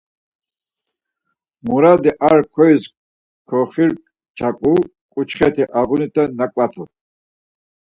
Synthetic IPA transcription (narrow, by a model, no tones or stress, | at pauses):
muɾad̪iʔaɾkʰɔjs | kʰɔχiɾ | t͡ʃʰakʼu | kʼut͡ʃχɛt̪ʰiʔaɣunit̪ʰʼɛnːakʼwat̪ʰṵ